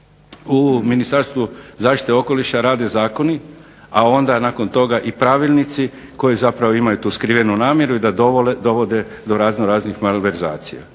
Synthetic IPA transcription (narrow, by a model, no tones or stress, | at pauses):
uminist̪aɾst̪ʋuzaːʃt̪i̥t̪eo̞ko̞liʃaɾaːd̪e̞zaːko̞ni | ao̞nd̪anako̞nt̪o̞ɡaʔipɾaʋilnit̪si | ko̞jizapɾaʋoimajut̪uːskɾiʋenunaːmje̞ɾuid̪ad̪ld̪o̞ʋo̞d̪e̞ | d̪o̞ɾaːznoɾaːznixmalʋe̞ɾza̰ːt̪sija̰